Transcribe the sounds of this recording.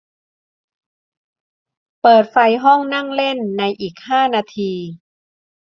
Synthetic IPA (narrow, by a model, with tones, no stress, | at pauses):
pɤː˨˩t̪̚fa˧jɦɔ˥˩ŋna˥˩ŋle˥˩nːa˧jʔiː˨˩k̚haː˥˩naː˧t̪ʰiː˧